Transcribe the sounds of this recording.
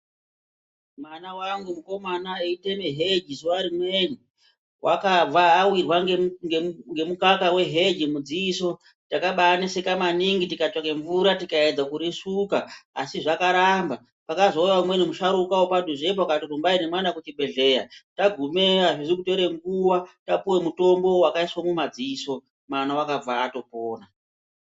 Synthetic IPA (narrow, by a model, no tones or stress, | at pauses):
mwanawaŋɡumuko̞manaeitemeɦe̞d͡ʒizuwaɾimweni | wʔakab͡vaːwirwaŋŋɡe̞mukakawe̞ɦe̞d͡ʒimud͡ziːso̞ | takaɓanisekamaniŋɡitikat͡ʂakeɱvuɾatikaed͡zakuɾisukaːsiʐakaɾamba | pakazo̞ujaumwenemuʃaɾukawopaduʐep̬oakatirumbainemwanakut͡ʃibʱe̞ɮe̞ːjataɡʱumeaʐiʐikute̞ɾe̞ŋɡuwatapuwe̞muto̞mbo̞wakaiswomumad͡ziːso̞ | mwanawakab͡vaːto̞poːna